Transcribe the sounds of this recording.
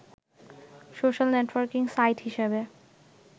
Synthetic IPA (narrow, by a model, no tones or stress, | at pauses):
soʃalneʈwaɾkiŋsajʈhiʃebe